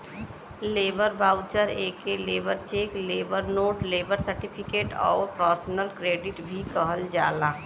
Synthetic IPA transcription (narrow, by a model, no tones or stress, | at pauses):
leːbəɾbaːʊt͡ʃəɾeːkeleːbəɾt͡ʃeːkleːbəɾnoːʈleːbəɾsəɾʈɪpʰɪkeːʈɔ̰ːɾpɾɔːɾsnəlkɾeːɖɪʈbʱikəɦəld͡ʒaːlaː